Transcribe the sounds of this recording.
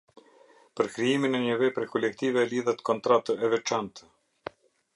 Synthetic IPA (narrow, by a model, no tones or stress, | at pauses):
pəɾkɾiiminɛɲəvɛpɾɛkʰɔlɛkt̪ivɛliðat̪kɔnt̪ɾat̪əɛvɛt͡ʃant̪